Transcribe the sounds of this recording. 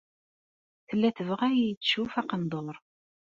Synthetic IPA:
θəlːæθəvəʁæjijət͡sːʃufæqənd̪ˤoɾˤ

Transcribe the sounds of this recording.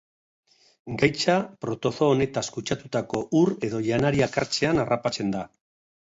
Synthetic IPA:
ɡajt͡ʃapɾo̞t̪o̞θoːne̞t̪askut͡ʃat̪ut̪ako̞ʔure̞ðo̞ʎanaɾiakaɾt͡se̞anarapat͡se̞nd̪a

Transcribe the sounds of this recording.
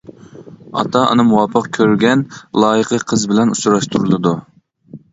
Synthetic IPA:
ɑ̰t̪ʰɑʔɑ̰nɨmuwɑpʰəqkʲʰøɾɡʲɛnlˠɑːjəqʰəqʰəzbɪlɛnusuɾɑʃt̪ʰuɾɨlˠɨd̪u

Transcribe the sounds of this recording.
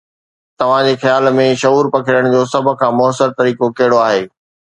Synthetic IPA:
t̪ɐʋ̤ãd͡ʑexjaːlmẽʃɐuːɾpɐkʰɪɾəɽ̃d͡ʑoːsɐbʱʊ̆kʰãːmʊəsəɾt̪ɐɾiːkokɐɦɪɽoaːɦeː

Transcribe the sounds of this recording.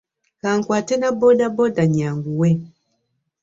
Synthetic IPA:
kaːŋkwaːtenabodabodaɲaːŋɡuwe

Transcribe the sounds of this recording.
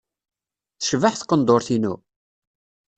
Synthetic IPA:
θəʃvəħθqːənd̪oɾθinṵ

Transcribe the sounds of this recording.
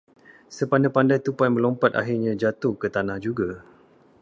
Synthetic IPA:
səpandapandajt̪upanmə̃lɔmpat̪a̰ɦirɲãd͡ʒat̪ohkət̪anãhd͡ʒuɡa

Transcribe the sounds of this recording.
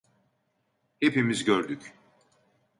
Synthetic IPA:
hepimizɟøɾd̪yc

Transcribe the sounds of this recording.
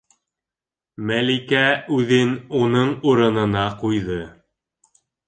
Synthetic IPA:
mælikæʉðɘnunɤɴuɾɤ̆nɤ̆nɑqujðɤ

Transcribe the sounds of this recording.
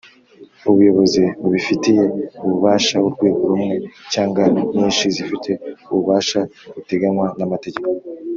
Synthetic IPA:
uβujo̞βo̞ziβuβifitije̞uβuβaːʃawuɾɡwe̞ːɡoɾumŋe̞caːŋɡaɲiːnʃizifitʰe̞uβuβaːʃaβute̞ɡanwanamate̞ɟe̞ko

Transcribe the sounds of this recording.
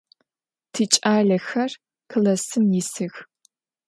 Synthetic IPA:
tʰit͡ʃʼaːɮɐxɐr | kʰɨlɐsɨmjɪsɨx

